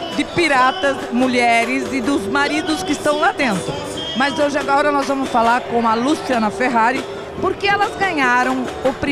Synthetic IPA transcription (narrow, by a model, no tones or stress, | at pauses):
d̪ɪpiɾat̪ɐzmuʎɛɾɪzɪd̪ʊzmaɾid̪ʊskɪist̪ɐ̃w̃lad̪ẽnt̪ɾʊ | mɐzoʒaɡɔɾɐnɔzvɐ̃mʊsfalaɾkõw̃ɐlusiɐ̃nɐfeɦaɾɪ | poɾkeɛlɐzɡɐ̃ɲaɾɐ̃w̃ʊpɾi